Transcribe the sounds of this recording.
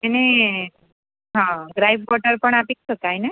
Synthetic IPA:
ene | ɦãɡɾajb̚kɔʈəɾpəɳapik̚t͡ʃʰok̪ajne

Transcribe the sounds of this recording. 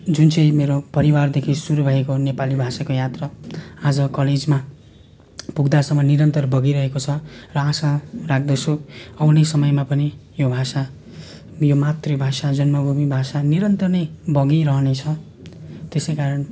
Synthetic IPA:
d͡zunt͡sʌj̃meɾopʌɾiward̪ekʰisuɾubʱʌekonepalibʱasakojat̪rʌad͡zʌkʌled͡zma | puɡd̪asʌmːʌniɾʌnt̪ʌrbʌɡiɾʌɦekot͡sʰʌrʌasarak̚ʰd̪ʌsoʌwnesʌmʌjmapʌnijobʱasa | jomat̪rʌbʱasad͡zʌnmʌbʱumibʱasaniɾʌnt̪ʌrnʌbʌɡiɾʌɦʌnet͡sʰʌ | t̪esejkaɾʌn

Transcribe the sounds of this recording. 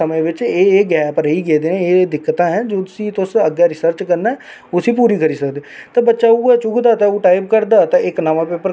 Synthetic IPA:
əmẽːʋɪt͡ʃeːɡɛːpəɾəiːɡeːd̪eːɛ̃eːd̪ɪkːət̪ãːɦɛ̃ːd͡ʒoːt̪ʊsĩːt̪ʊsəɡjaːɾɪsəɾt͡ʃkəɾnaɛː | ʊsĩːpuːɾiːkəɾiːsəkd̪eːt̪ãːbətːʃaːuːɛːt͡ʃʊkʰd̪aːt̪ãuːʈaːibkəɾd̪aːt̪ãɪknaːʋãːpeːpəɾ

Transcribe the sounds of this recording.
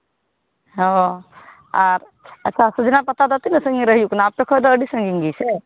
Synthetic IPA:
ɦo | aɾ | ətːʃʰasəd͡ʒnapɐt̪ad̪ɔt̪inəsə̃ŋɡiɾəɦjuknaaːp̚ʈɔkʰɔjd̪ɔːɖisə̃ŋɡiŋɡise

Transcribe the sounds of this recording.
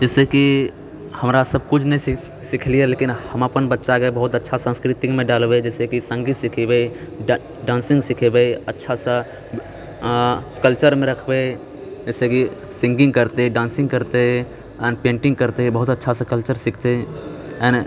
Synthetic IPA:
d͡ʒɛːseki | həmɾasəb̚kʊt͡ʃʰnəisɪkʰlieleːkɪnhəmapənbətːʃaɡəebəɦʊt̪ətːʃʰasãːskɾɪt̪ɪkmẽɖaːlbed͡ʒɛːsekisə̃ŋɡit̪sɪkʰebe | ɖãːnsɪ̃ŋɡsɪkʰebeətːʃʰasa | kəlt͡ʃəɾmẽɾəkʰbe | d͡ʒɛːseki | sɪ̃ŋɡɪ̃ŋɡkəɾt̪eɖãːnsɪ̃ŋɡkəɾt̪eɦɛ | ɛːnpẽːɳʈɪ̃ŋɡ̚kəɾt̪eɦbəɦʊt̪ətːʃʰasãkəlt͡ʃəɾsɪkʰt̪eɛn

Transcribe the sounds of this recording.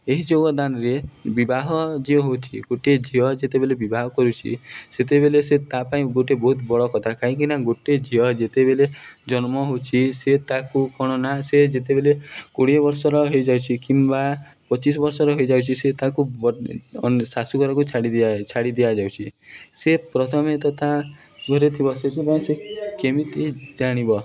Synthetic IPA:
eɦid͡ʒoɡɔd̪anɔɾebibaɦɔd͡ʒiɔɦot͡ʃʰiɡoʈed͡ʒiɔd͡ʒet̪ebelebibaɦɔkɔɾut͡ʃʰḭset̪̬ebeleset̪apaĩɡoʈebɔɦut̪bɔɭɔkɔt̪ʰakaɦĩk̬inaɡoʈed͡ʒiɔd͡ʒet̪ebeled͡ʒɔnmɔɦot͡ʃʰiset̪akukʰɔɽ̃ɔnased͡ʒet̪̬ebelekoɽibɔɾsɔɾɔɦojd͡ʒawt͡ʃʰikimba | pɔt͡ʃis̬ɔbɔɾsɔɾɔɦojd͡ʒawt͡ʃʰiset̪akubɔnsasukɔɾɔkut͡ʃʰaɽid̪t͡ʃʰaɽid̪iad͡ʒawt͡ʃʰisepɾɔt̪ʰɔmet̪ɔt̪aɡʱɔɾet̪ʰibɔset̪ʰipaĩsekemit̪ed͡ʒaɽ̃ibɔ

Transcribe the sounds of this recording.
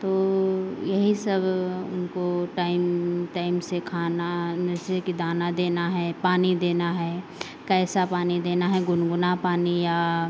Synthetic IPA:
t̪oːjɐɦisɐbʊ̰nkoʈaːɪmʈaːɪmsekʰaːnanɐsekid̪aːnad̪eːnaɦɛpaːnid̪eːnaɦɛː | kɛːsapaːnid̪eːnaɦɛɡʊnɡʊnapaːnijaː

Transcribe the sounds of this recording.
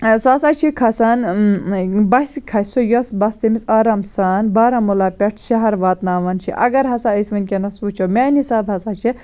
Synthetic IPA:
sɐsaːt͡ʃʰikʰɐsan | bɐsikʰɐsojɐsbɐst̪ɐmisaːɾɐmsaːnbaːɾɐmulaːpʲeʈʰʃɐɦɐɾʋaːt̪naːʋɐnt͡ʃʰḭʔɐ̰ɡɐɾɦɐsaəsʲmɐnʲkʲenɐsuːt͡ʃʰɐwmʲaːnisaːbɦɐsaːt͡ʃʰi

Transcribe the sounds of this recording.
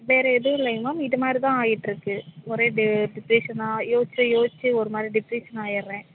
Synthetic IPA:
ʋeːɾɛɛðɯʋɪlːeŋɡɐmaːmɪðɯmaːd̪ɾit̪ãːaːjɪʈːɪɾɯkːɯɔɾeːɖɪɖɪpɾiːʂɐnaːjoːt͡ʃːɐjoːɪt͡ʃːɯɔɾɯmaːd̪ɾiɖɪpɾiːʂɐnaːjɪɾɾẽː

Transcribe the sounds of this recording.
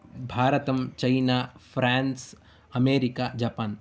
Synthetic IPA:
bʱaːɾɐt̪ɐmt͡ʃɐɪnaːfʰɾaːns | ɐmeːɾɪkaːd͡ʒaːpaːn

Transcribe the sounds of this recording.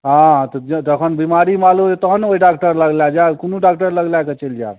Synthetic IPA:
ɦãt̪ɔd͡ʒəkʰənbimaɾimalumet̪ɔɦnoiɖakʈəɾləɡlad͡ʒakunuɖakʈəɾləɡlajket͡ʃeld͡ʒa̰t̪

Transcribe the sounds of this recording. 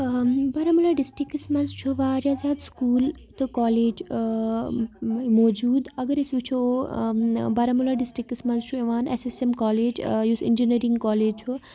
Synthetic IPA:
bɐɾamulaːɖisʈikːismɐnzt͡ʃʰuʋaːɾjaːzaːd̪skuːl | t̪ɨkaːleːd͡ʒ | mɔːd͡ʒuːd̪ɐɡəɾesʋikt͡ʃʰu | bɐɾamulaːɖisʈɾikːismɐzt͡ʃʰueʋaːnḛsesemkaːleːd͡ʒjusḭnd͡ʒiniɾiŋɡkaːleːd͡ʒt͡ʃʰu

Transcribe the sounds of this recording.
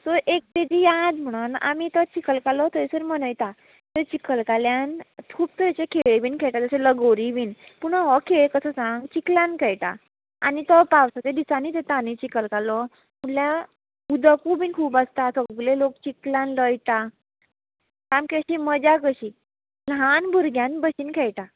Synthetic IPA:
soʔek̚t̪ed͡ʑijad͡zm̤əɽ̃una̰mit̪ət͡ɕikəlkalɔt̪əesəɾmənəjt̪a | t̪ət͡ɕikəlkaljant̪ʰuːbt̪əɾit͡ɕekʰeɭebiːnkʰeɭt̪ad͡zəseləɡoɾiʋiːnpuɽɦɔkʰeɭkəsəsãŋɡt͡ɕiklãnkʰɛɭt̪a̰ | a̰nit̪ɔpawsət̪ed̪isanit̪et̪anit͡ɕikəlkalɔ | muɽlja | ud̪əkubiːnkʰuːbast̪at̪ʰɔkbulelokt͡ɕiklãnləjt̪a | kamkeɕiːməd͡ʑakəɕiː | lɦanbʱuɾɡʱjãnbəɕiːnkʰɛɭʈ̪a

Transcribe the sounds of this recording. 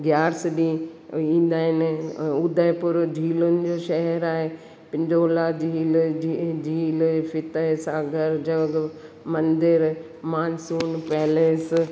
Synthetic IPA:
ɡjaːɾsɗiĩːn̆d̪aːɦɪnʊd̪əɪpʊɾd̪ʱiːlʊnɪ̆d͡ʑoːʃɐɦɛɾaːɦe | pɪ̃ɲd͡ʒoːlad̪ʱiːld̪ʱiːlfɪt̪əsaːɡəɾd͡ʑɐɡ | mɐ̃nd̪ɪɾ | maːnsuːnpɛːleːs

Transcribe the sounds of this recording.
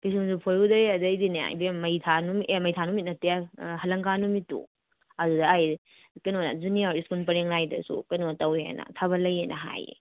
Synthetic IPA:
pis̬umsupʰoɾudɐjeɐdɐjdina̰bemɐjtʰanumimɐjtʰanumit̚nɐtejahɐlɐŋkanumitṵ | ɐdudɐːj | kɐnona̰zuniawɾiskunpɐɾeŋlajdɐ̰sṵkɐnotawḛnɐ̰tʰabɐlɐjenʔɐ̰ɦa̰jḛ

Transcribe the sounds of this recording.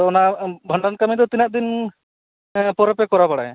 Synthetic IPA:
ɔnabʱəɳɖankamid̪ɔt̪inaʔ̚d̪in | pɔɾɔpɛkɔɾapaɽa̰j

